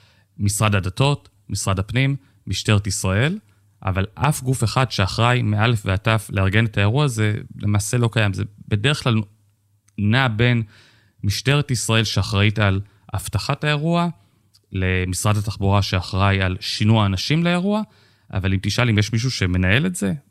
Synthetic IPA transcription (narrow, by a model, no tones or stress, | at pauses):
misʁadadato̞t | misʁadapnimː | iʃte̞ʁetisʁae̞l | ʔa̰valʔafɡufe̞χadʃe̞aχʁajmeʔalefveatafleaʁɡe̞ne̞tae̞ʁuaze̞lʔemaːse̞lo̞kajamzebe̞deʁeχklal | nabe̞n | miʃte̞ʁetisʁae̞lʃeaχʁaital | a̰ftaχataeʁua | le̞misʁadhataχbuʁaʃe̞aχʁajalʃinuaːnaʃimleeʁua | ʔa̰valimtiʃalimjeʃmiʃ̬uʃe̞me̞nae̞le̞tz̥e̞